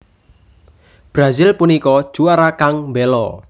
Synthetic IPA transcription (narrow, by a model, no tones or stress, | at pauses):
b̥ɾazɪlpunikɔd̥ʒ̥uaɾakaŋmbelɔ̰